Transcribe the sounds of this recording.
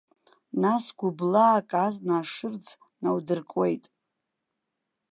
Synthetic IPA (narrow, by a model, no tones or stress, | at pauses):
nasɡʷublaːkʼaznaːʂɨrd͡zʰ | nawdɨrkʼwe̞jtʼ